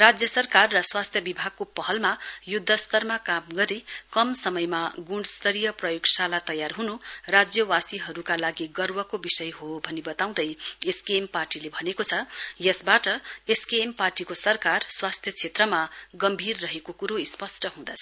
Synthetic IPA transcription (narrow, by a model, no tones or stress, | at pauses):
rad͡zjʌsʌrkarːʌswast̪ʰjʌbibʱaɡ̚kopʌɦʌlmajud̪ʱːʌst̪ʌrmakamɡʌɾikʌmsʌmʌjmaɡuɖst̪ʌɾijʌprʌjoɡsalat̪ʌjarɦunurad͡zjʌwasiɦʌɾukalaɡiɡʌrwʌkobisʌjɦobʱʌnibʌt̪aw̃d̪ʌjeskemparʈilebʱʌnekot͡sʰʌjʌsbaʈʌeskemparʈikosʌrkarswast̪ʰjʌt͡sʰet̪rʌmaɡʌmbʱirːʌɦekokuɾoispʌsʈʌɦũd̪at͡sʰʌ